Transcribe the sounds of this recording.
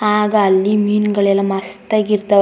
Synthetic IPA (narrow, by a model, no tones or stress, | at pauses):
aːɡɐːlːimiːnɡɐɭelɐmɐst̪ɐɡiɾd̪ɐ